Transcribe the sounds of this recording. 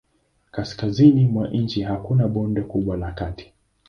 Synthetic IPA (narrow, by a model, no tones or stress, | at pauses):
kaskazinimwaʔn̩t͡ʃiɦakunaɓɔndɔkuɓwalakati̥